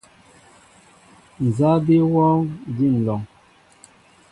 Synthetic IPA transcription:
n˨za˦bi˦wɔ˦ɡi˦˨n̩˨lɔ˨ŋ

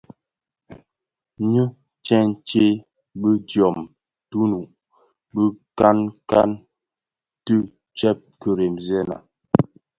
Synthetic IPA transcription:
ɲə˦ | t͡ʃɛ˦n˦t͡ʃe˦ | bə˦dɔ˨m | tu˦nu˨ʔ | bə˦ka˦nka˦n | tə˦ | t͡ʃɛ˦p̚kə˦ɾe˨mzɛ˦na̰˨

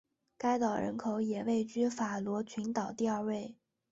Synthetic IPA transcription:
ka˥ɪt̪ɑ˨˩ʊɻə̰˧˥nkʰo˨˧˥ʊjɛ˨˩we˥˩ɪt͡ɕy˥fa˨˩lwɔ˧˥t͡ɕʰy˧˥nt̪ɑ˨˩ʊt̪i˥˧ɐ˞˥˧we˥˩ɪ

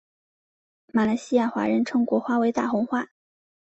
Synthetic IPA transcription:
ma˧˩la˧˥ɪɕi˥ja˥˩xwa̰˧˥ɻə˧˥nʈ͡ʂʰɤ˧˥ŋkwɔ˧˥xwa˥we˧˥ɪt̪a̰˥˩xʊ˧˥ŋxwa˥˩

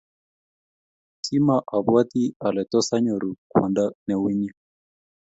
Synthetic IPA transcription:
kʰi˦maʔa˨βwati˦a˨lɛ˨tɔ˦sa˦ɲɔ˨ɾu˨kwa̰˨nda˦nɛ˨wi˦ɲi˦

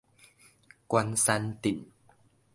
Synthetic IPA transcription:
kwa˧nsa˧nt̪ḭ˨˩˦ŋ

